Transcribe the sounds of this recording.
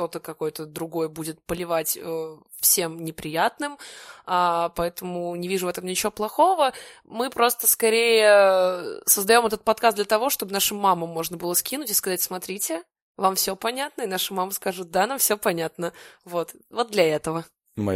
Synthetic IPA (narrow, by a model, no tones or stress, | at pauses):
t̪o̞t̪əkɐko̞jt̪əd̪ɾʊɡo̞jəbudʲɪt̪̚pəlʲɪvatʲə | fsʲe̞mnʲɪpɾʲɪjat̪nɨmapɐɛt̪əmʊnʲɪvʲiʐʊvɛt̪əmnʲɪt͡ɕɪvoplˠɐxo̞vəmɨpɾo̞st̪əskɐɾʲejə | səzd̪ɐjo̞mɛt̪ət̪̚pɐt̪̚kasd̪lʲət̪ɐvo̞ʂt̪o̞bɨnaʂɨmːaməmːo̞ʐnəbɨlˠəskʲinʊtʲɪ̥skɐzatʲsmɐt̪ɾʲitʲɪ | vamfsʲopɐnʲat̪nəɪnaʂəmaməskaʐɨt̪̚d̪anamfsʲopɐnʲat̪nəvot̪vo̞t̪̚d̪lʲɐɛt̪əvə | mɐ̰